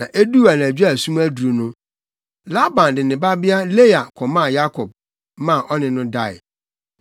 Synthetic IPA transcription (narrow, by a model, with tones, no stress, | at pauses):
nã˨ʔe˦du˦a˨n˨æ˨d͡ʑᶣæ˦˨sũ˦m˦æ˦du˨ɾu˨nʊ̃˦ | la˦bã˨ndɪ˨nɪ̃˨ba˦bɪ˦a˦le˦ja˨kʰɔ˨mã˦˨ja˦kʰɔ˨b̚ | mã˦˨ʔɔ˦nɪ̃˨nʊ̃˦da˦˨ɪ̰˨